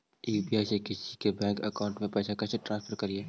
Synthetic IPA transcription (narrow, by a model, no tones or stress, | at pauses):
iːbiajsekɪsikebɛ̃ːŋkəkaːʊ̃ɳʈmẽpɛːsakɐːseʈɾãnspʰəɾkɐɾieː